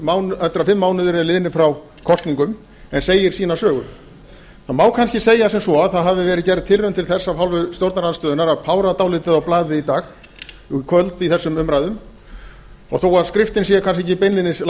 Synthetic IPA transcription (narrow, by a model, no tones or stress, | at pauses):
maːwnɛft̪ɪɾafɪmːaːwnʏvɪɾlɪðnɪfɾaw | kʰɔst̪niŋkʏm | ɛnseːjɪɾ̥siːnasœːɣʏ̰ | θaðmaːwkʰanscɪseːjasɛmsɔaðθaðɦavɪvɛːɾɪðcɛɾɪ̥t̪ʰɪlrʏmt̪ʰɪlθɛsːafɦawlvʏt̪jowɾt̪naɾanst̪œːðʏnaɾaðpʰaːwɾat̪aːwlɪt̪ɪðawplaːðɪit̪aːx | kʰvœlt̪iθɛsːʏmʏmɾaːjðʏm | ɔ̰ɣθoːwaðskɾɪft̪ɪnsiːakʰans̬cɛcɪpenlɪnɪl